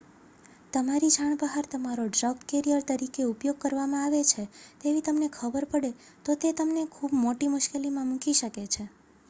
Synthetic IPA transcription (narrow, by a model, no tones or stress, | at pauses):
t̪əmaɾid͡ʒʱaɳ̃bəɦaɾt̪əmaɾoɖɾakkeɾiəɾt̪əɾikeupjoɡ̚kəɾʋamãaʋet͡ʃʰet̪eʋit̪əmnekʰəbəɾpəɽe | t̪ot̪et̪əmnekʰubmoʈimʊʃkelimãmũkiʃəket͡ʃʰe